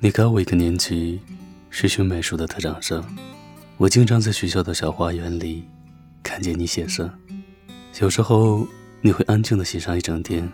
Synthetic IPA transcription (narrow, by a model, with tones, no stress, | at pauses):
ni˨˩kʰwɔ˨˩i˧˥ɡə˧njɛ˧˥nt͡ɕʰy˥˩ | ɕɥy˧˥ɕʰju˧˥me˨˧˥ɪʂu˧˥˩d̪ə˧t̪ʰɤ˥˩ʈ͡ʂɑ˨˩ŋʂɤ˥ŋ | wɔ˨˩t͡ɕi˥ŋʈ͡ʂʰɑ˥ŋt͡sa˥˩ɪɕɥɛ˧˥ɕjɑ˥˩ʊd̪ə˩ɕjɑ˨˩ʊxwa˥ɥɛ˧˥nli˨˩˦ | kʰa˥˩nt͡ɕjɛ˧˩ni˧˥ɕjɛ˨˩ʂɤ˥˩ŋ | jɑ˨˩ʊʂɻ̩˧˥xo˥˧ʊ | ni˨˩xwe˥˧ɪʔa˥nt͡ɕi˥˩ŋd̪ə˩ɕɛ˨˩ʂɑ˥˧ŋi˥˩ʈ͡ʂɑ˨˩ŋt̪ʰjɛ˥n